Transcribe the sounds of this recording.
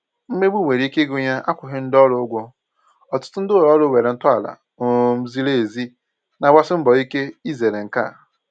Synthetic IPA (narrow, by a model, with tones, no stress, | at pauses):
m̩˦me˦ɡ͡bu˦˨we˨ɾi˦i˦ke˦ɡʊ˦ɲa˦ʔa˦kʷʊ˨ɦɪ˦n̩˦dɔ˦ɾʊ˦ɡʷɔ˦ | ɔ˨tʊ̥˦tʊ˦n̩˦dɪ˦˨ɾɔ˦ɾʊ˦˨we˨ɾe˨n̩˦tʊ˦a˨la̰˨ | o˨m̩˦zi˦le˦˨zi˦ | na˨wa˦sɪ˦m̩˦bɔ˨i˦ke˦i˦ze˨ɾe˨ŋ̩˨ka̰˦˨